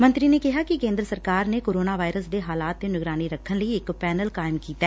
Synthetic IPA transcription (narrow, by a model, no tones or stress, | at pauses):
mə̃nt̪ɾinekɪɦaːkɪkẽːnd̪ɾəsəɾkaːɾnekoːɾoːnaːʋaːɪɾəsd̪eːɦaːlaːt̪̚ːenɪɡɾaːniɾəkʰːənləiɪkpɛːnəlkaːɪmkiːt̪aɛː